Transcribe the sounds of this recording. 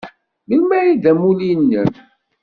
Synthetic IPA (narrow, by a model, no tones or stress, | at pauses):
mənmæjiðæmulinːən